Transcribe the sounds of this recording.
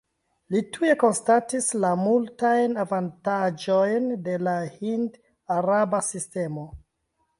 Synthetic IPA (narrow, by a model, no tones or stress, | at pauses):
litʰue̞ko̞nstatislamultajnavantad͡ʒo̞jnde̞lahind | aɾabasiste̞mo̞